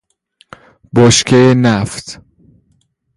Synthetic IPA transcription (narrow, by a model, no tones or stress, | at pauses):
bɔʃkʰejenæft̪